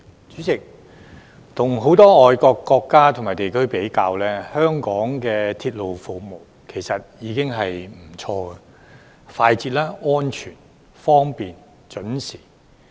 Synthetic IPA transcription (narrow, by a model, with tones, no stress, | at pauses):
t͡ʃyː˨˥t͡sɪ˨k̚ | t̪ʰʊ˨˩ŋɦo˨˥wt̪ɔː˥ŋɔː˨jkɔː˧kːɔː˧kːaː˥t̪ʰʊ˨˩ŋmaː˨˩t̪e˨jkʰɵ˥ɥpe˨˥jkaː˧wlɛː˥hœː˥ŋkɔː˨˥ŋkɛː˧t̪ʰiː˧t̚lo˨˧wfʊ˨k̚mo˨˩w | kʰe˨˩jsɐ˨t̚jiː˨˧kɪ˥ŋɦɐ˨jm̩˨˩t͡ʃʰɔː˧ɡɛ˧ | faː˧jt͡siː˧t̚laː˥ɔː˥nt͡ʃʰyː˨˩n | fɔː˥ŋpiː˨n | t͡ʃɵ˨˥nsiː˨˩